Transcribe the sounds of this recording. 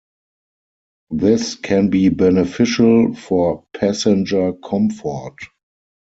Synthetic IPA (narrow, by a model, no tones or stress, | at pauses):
ðɪskʰɛ̃nbiːbɛnəfɪʃəlfɔpʰæsɛ̃nd͡ʒə˞kʰɔ̃mfɔt